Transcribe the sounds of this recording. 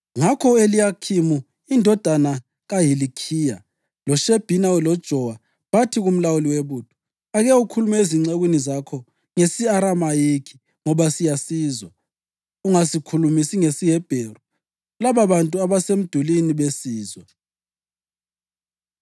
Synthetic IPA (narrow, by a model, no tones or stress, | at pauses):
ŋakʰɔelijakʰimu | indʱɔd̥ʱana | ɣaɦilikʰiːja | lɔʃeb̥ʱinaulɔd̥ʒ̥ʱɔwa | βatʰiɣum̩lawuliweβuːd̥ʱu̥ | aɣɛukʰulumɛeziŋ͡ǀeɣwinizakʰɔ | ŋesiaɾamajekʰi̥ | ŋɔβasijasiːzwa | uŋasikʰulumisiŋesiɦɛb̥ʱeru | laβaβantʼuaβasem̩d̥ʱuliniβesiːzwɔ